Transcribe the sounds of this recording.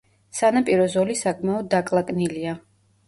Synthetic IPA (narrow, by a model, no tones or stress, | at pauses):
sanapʼiɾɔzɔlisakʼʰmɛɔd̪̚ːakʼlˠakʼnilia